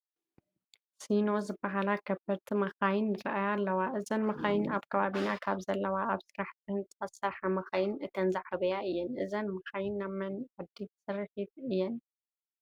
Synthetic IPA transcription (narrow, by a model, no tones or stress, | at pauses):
sino̞zɨbaɦalakʰɐbɐɾt̪ʰimɐxajɪnːɨɾʔajalːɐwaʔɨzɐnmɐxajɪnaβkʰɐβaβinakʰaβzɐlːɐwaaβsɨɾaħt̪ɨnt̪ʼɨxʼɐsɐħɐmɐxɐjɪnɨt̪ʰɐnzaʕaβɐjaɨjːɛnʔɨzɐnmɐxajɪnːamːɐnʕɨd̪isɨɾɨħit̪ɨjːɛn